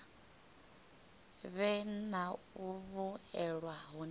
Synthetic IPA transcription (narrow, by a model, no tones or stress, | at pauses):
βɛna | uβuɛɺwaɦun